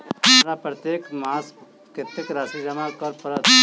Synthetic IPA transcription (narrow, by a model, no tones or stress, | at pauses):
mɾapɾɐt̪jeːkmaːs | kɪt̪ekɾaːsid͡ʒɐmakɔɾpɐɾət̪